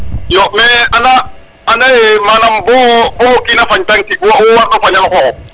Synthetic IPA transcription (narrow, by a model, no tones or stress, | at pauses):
jɔmɛanaː | naɪmanam̩bʊbʊkʼinafaɲtʼaŋ̩kɪkʼuwaʊwaʊpaɲaŋ̩χɔɔ